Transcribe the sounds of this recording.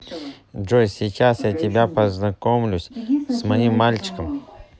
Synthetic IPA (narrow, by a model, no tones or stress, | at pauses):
ʐojsʲɪt͡ɕasjatʲɪbʲapəznɐkomlʲʊsʲsmɐimːalʲt͡ɕɪ̥kəm